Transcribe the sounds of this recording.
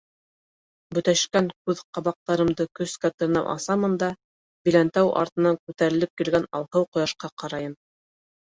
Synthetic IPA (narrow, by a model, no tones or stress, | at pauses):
bɵ̆t̪æʃkæŋkʉðqɑβɑq̚t̪ɑɾɤ̆md̪ɤkɵ̆skæt̪ɤ̆ɾnɑwʔɑ̰sɑmɤnd̪ɑ | bilænt̪æwʔɑ̰ɾt̪ɤ̆nɑŋkʉt̪æɾɘ̆lɘp̚kilɡænɑ̰lˠhɤwqŏjɑʃqɑqɑɾɑjɤm